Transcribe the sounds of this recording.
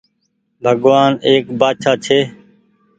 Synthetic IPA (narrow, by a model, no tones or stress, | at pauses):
bʱəɠʋaːneːkbaːʃaːt͡ʃʰeː